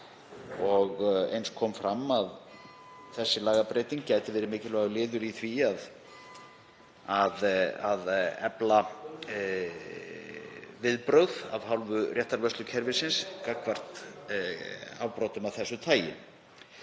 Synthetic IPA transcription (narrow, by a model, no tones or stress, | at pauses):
ɔɣḛjnskʰɔːmfɾamːað | θɛsːɪlaːɣapɾeːt̪iŋkcaːjt̪ɪvɛːɾɪmɪːcɪlvɛːɣalɪːðʏɾiθviað | aðaðɛpla | vɪðpɾœwða̰vɦawlvʏrjɛht̪aɾvœst̪lʏcʰɛɾvɪsɪnskakvar̥t̪ | awpɾowt̪ʏmavθɛsːʏt̪ʰaːjɪ̰n